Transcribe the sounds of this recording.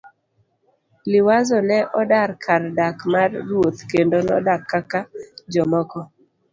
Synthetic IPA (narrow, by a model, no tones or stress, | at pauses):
lɪwazɔnɛʔɔdarkʰardakmarːwot̪kendonɔ̰dakːakad͡ʒɔmɔkɔ